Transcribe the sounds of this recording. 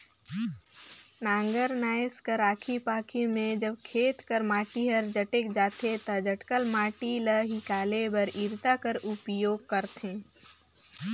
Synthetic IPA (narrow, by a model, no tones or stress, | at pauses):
nãːŋɡəɾnaːjskəɾaːkʰipaːkʰimẽd͡ʒəbkʰeːt̪kəɾmaːʈiɦɐɾd͡ʒəʈek̚d͡ʒaːt̪ʰet̪ɐd͡ʒəʈkəlmaːʈiləɦikaːlebɐɾiːɾt̪akəɾʊpjoːɡ̚kəɾt̪ẽː